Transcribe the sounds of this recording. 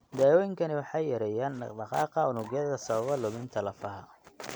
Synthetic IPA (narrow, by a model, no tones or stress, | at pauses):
d̪aːjɔːjɪŋkʰɐnɪwɑħɑjːɐɾɛjaːnɖɑqɑːqɐʊnʊɣjɐðɐsɐβɐβɐlʊmɪnt̪ʰɐlɐfɐɦɐ